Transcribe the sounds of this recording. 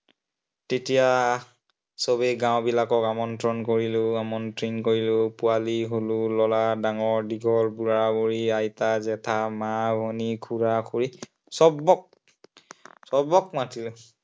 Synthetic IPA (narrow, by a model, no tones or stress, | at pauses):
tetija | sobeɡãwbilakɔkamɔntɹɔnkoɹilʊamɔntɹinkoɹilʊpʊaliɦolʊlɔladaŋɔɹdiɡʱɔlbuɹaɹaboɹiajtazɛtʰamabʱonikʰuɹakʰuɹi | sɔbɔk̚ | sɔbɔk̚matilʊ